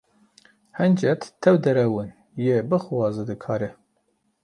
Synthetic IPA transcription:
hɛnd͡ʒɛt̪ʰːɛwd̪ɛɾɛwɨn | jebɨxwɑːzɨd̪ɨkʰɑːɾɛ

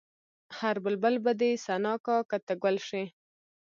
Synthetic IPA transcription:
haɾbəlbəlbad̪esanɑkɑkat̪aɡwalʂi

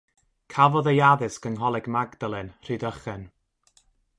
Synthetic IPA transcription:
kʰavɔðəjaðɨskənɦɔlˠɛɡmaɡdalˠɨnr̥ɨːdəχɛn

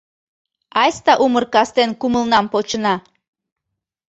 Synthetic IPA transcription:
ɑjst̪ɑʔumərkɑst̪enkuməlnɑmpot͡ɕənɑ

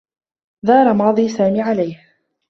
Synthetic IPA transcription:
ðɑːɾˤɑmɑːðˤiːsaːmiːʕalajh

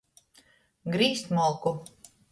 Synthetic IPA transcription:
ɡɾiːsʲt̪ʲmɔlˠku

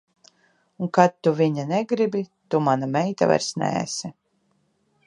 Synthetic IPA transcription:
uŋkat̪ːuviɲanɛɡɾibit̪umanamɛjt̪a̰va̰ɾsnɛ̰ːsi

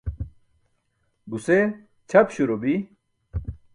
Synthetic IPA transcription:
buse | t͡ɕʰɐpɕuɾobi

